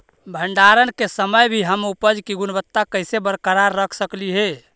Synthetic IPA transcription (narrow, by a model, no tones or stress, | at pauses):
bʱəɳɖaɾənkesəməjbʱiɦəmupəd͡ʒkiɡunbət̪ːakəɪsebəɾkəɾaɾːəkʰsəkliɦe